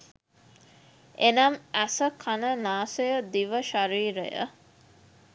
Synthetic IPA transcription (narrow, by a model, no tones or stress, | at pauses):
enɐmæsəkʰɐnənaːsejəd̪iʋəʃɐɾiːɾḛjə̰